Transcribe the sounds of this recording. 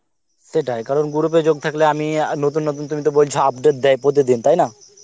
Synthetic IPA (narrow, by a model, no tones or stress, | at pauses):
seʈaekaɾonɡuɾuped͡ʑoɡ̚t̪ʰakleaminot̪unːot̪̬unt̪umit̪obojlt͡ɕʰoab̚ɖeʈ̚d̪ɛjpot̪̬id̪int̪ajna